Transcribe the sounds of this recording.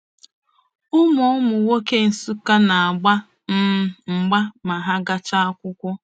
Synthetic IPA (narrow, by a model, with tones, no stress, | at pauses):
ʊ˦mɔ˨ʊ˦mʊ˨wo˦ke˦n̩˨su˦ka˦na˨a˨ɡ͡ba˦ | m̩˦ŋ͡m̩˨ɡ͡ba˦ma˨ɦa˦ɡa˦t͡ʃa˦a˦kʷʊ˦kʷʊ˦